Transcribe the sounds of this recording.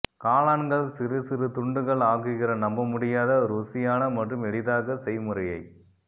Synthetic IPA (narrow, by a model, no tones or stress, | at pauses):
kaːlaːnɡɐɭsɪɾɯsɪɾɯt̪ʊɳɖɯɣɐɭaːɣɯɣɪrɐnɐmbɐmʊɽɪjaːðɐɾuːsɪjaːnɐmɐʈrɯmɛɽɪðaːɣɐsɛjmʊɾɐjɐɪ